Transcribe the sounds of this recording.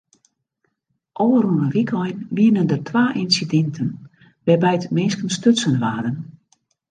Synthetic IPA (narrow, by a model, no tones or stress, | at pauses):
ʔoəɾuənənʋikʰɔjnʋiənəndətʰʋaːʔinsidɛntʰən | ʋɛbɛjtmɪnskənstøtsənʋaːdən